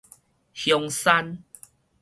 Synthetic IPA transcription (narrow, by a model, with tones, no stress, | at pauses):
hjɔ˧ŋsa˦n